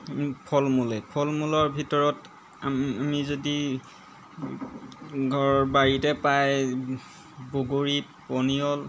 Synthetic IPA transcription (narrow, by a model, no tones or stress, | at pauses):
pʰɔlmulɛpʰɔlmulɔɹbʱitɔɹɔt | aamizodi | ɡʱɔɹɔɹbaɹitɛpaj | boɡoɹipɔniɔl